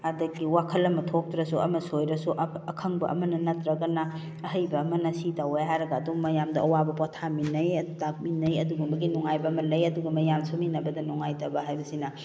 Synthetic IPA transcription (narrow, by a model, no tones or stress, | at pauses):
adɐkːiwakʰɐlɐmɐtʰok̚tɾɐsuʔɐ̰mɐsojɾɐsuʔɐkʰɐŋbɐ̰ʔɐ̰mɐnɐnɐtɾɐɡɐnɐ | ɐɦɐjbɐːmɐnɐsitawejɦajɾɐɡaduŋmɐjamdɐʔɐwabɐpɔtʰaminɐjtak̚minːɐjɐduɡumbɐɡinɔŋajbɐɐmɐlɐjɐduɡɐmɐjamsuminɐbɐdɐnɔŋajtɐbɐɦajbɐsinɐ